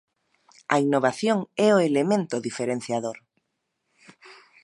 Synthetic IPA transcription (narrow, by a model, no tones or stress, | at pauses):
ɐinːoβaθjoŋɛʊelemẽnt̪ʊðifeɾẽn̟θjaðoɾ